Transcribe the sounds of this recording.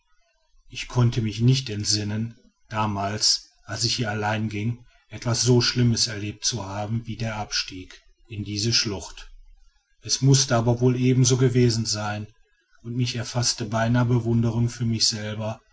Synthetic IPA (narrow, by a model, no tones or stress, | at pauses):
ʔɪçkʰɔntəmɪçnɪçtɛntz̥ɪnən | d̥aːmaːls | ʔals̬ɪçhiːɐalaɪnɡɪŋ | ʔɛtv̥asz̥oːʃlɪməsɛɐleːp̚tt͡suhaːbm̩viːdeːɐʔapʃtiːk | ʔɪndiːzəʃlʊxt | ʔɛsmʊstəaːbɐvoːlʔeːbm̩zoːɡəveːzn̩zaɪn | ʔʊntmɪçɛɐfastəbaɪnaːbəvʊndəʁ̞ʊŋfyːɐmɪçz̥ɛlbɐ